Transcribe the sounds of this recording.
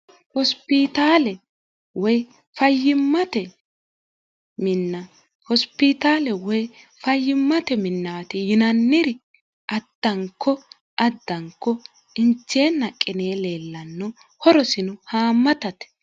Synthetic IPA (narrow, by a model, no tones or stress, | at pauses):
hɔspɪt̪aːlɛ | wɔj | fɐjːɪmːɐt̪ɛ | mɪnːɐ | hɔspɪt̪aːlɛwɔj | fɐjːɪmːɐt̪ɛmɪnːaːt̪ɪjɪnɐnːɪɾɪ | ʔɐd̪̥ːɐŋkːɔ | ʔɐd̪ːɐŋkːɔ | ɪnt͡ʃːe̞ːnːɐkʼːɪne̞ːle̞ːlːɐnːɔ | hɔɾɔsɪnʊhaːmːɐt̪ɐt̪ɛ̥